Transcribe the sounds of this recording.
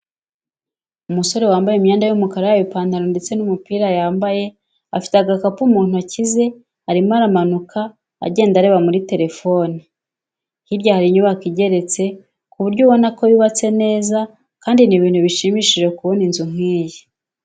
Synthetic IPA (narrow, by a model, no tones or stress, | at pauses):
umuso̞ɾe̞waːmbajemɲaːndajumukaɾajaβipaːndaɾonde̞t͡se̞numupiːɾajaːmbaje̞ | afi̥taɡakapumuːn̥uacize̞ | haɾimaɾamanuka̰ː | ɟe̞ːndaɾe̞βamuɾite̞ɾe̞fo̞ni | hibɟahaɾiɲuβakiɟe̞ɾe̞t͡se̞ | kuβuɾɟoβo̞nako̞jiβat͡se̞ne̞ːza | kaːndiniβiːnhuβiʃimiʃiʒe̞kuβo̞ninzuŋ̥iːje